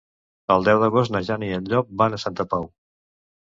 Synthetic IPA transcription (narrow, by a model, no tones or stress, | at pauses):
əlˠd̪ɛwd̪əɣ̞ost̪nəʒaniənʎɔk̚banəsant̪əpaw